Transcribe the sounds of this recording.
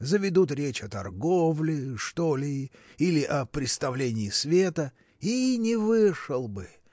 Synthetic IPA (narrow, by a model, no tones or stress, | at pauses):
zəvʲɪd̪ut̪ɾʲet͡ɕɐt̪ɐ̰rɡovlʲɪʂt̪olʲɪilʲɪʔɐpɾʲɪt̪st̪ɐvlʲenʲɪːsvʲet̪ə | inʲɪvɨʂəlˠbɨ